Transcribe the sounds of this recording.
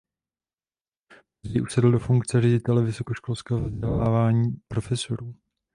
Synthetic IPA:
ziʔusɛdl̩dofuŋkt͡sɛrɛɟɪt̪ɛlɛvɪso̞koʃko̞lskɛːɦovzɟɛlaːvaːɲiːpɾo̞fɛso̞ɾuː

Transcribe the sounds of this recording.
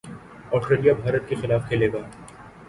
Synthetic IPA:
ɔːsʈɾeːlijabʱaːɾət̪̚kexɪlaːfkʰeːleːɡaː

